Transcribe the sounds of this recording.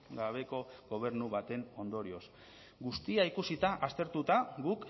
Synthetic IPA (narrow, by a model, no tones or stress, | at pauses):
ɡaβ̞e̞ko̞ɡo̞β̞e̞ɾnuβat̪e̞no̞nd̪o̞ɾio̞s | ɡust̪iaikusit̪aʔast̪e̞ɾt̪ut̪aɡuk